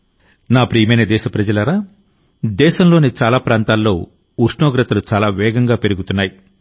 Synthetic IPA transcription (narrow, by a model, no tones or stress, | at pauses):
naːpɾiːjɐmɐjnɐd̪ɛːʃɐpɾɐd͡ʒɐlɐɾaː | d̪ɛːʃɐmlo̞ːnit͡ʃaːlaːpɾaːnt̪aːlːo̞ː | uʂnoːɡɾɐt̪ɐlut͡ʃaːlaːʋɛːɡɐŋɡaːpe̞ɾuɡut̪unːaːji